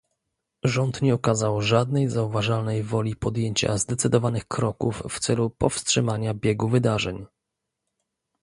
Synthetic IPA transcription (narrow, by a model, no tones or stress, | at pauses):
ʐɔnt̪ɲɛɔkazawʐad̪nɛjzauvaʐalnɛjvɔlʲipɔd̪jeɲt͡ɕa̰zd̪ɛt̪sɘd̪ɔvanɘxkɾɔkufːt̪sɛlupɔfstʂɘmaɲabʲjɛɡuvɘd̪aʐɛɲ